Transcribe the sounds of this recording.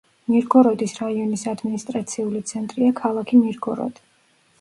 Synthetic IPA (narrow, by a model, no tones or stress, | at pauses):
niɾɡɔɾɔd̪isɾaiɔnisad̪minist̪ʼɾat̪sʰiulit̪sʰɛnt̪ʼɾiakʰalˠakʰiniɾɡɔɾɔ̰d̪̥i̥